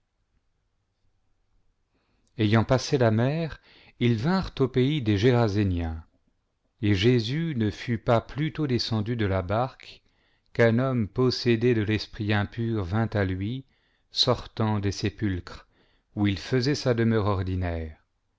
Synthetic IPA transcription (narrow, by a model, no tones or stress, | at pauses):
ejɑ̃paselamɛːʁ | ilvɛ̃ʁt̪opeid̪eʒeʁazenjɛ̃ | eʒezynəfypaplyt̪od̪esɑ̃d̪yd̪əlabaʁk | kɛ̃nɔmpɔsed̪ed̪əlɛspχiɛ̃pyʁvɛ̃t̪alɥi | sɔʁt̪ɑ̃d̪esepylkχ | uilfəzɛsad̪əmœʁɔʁd̪inɛːʁ